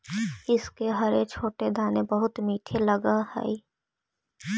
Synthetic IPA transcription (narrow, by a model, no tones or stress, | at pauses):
ɪskeɦɐɾet͡ʃʰoːʈed̪ʱaːnebəɦʊt̪miːʈʰelɐɡahɛ̰